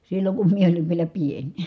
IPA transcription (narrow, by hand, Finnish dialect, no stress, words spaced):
silːoŋ kum mie oliʋ ʋielæ pienʲ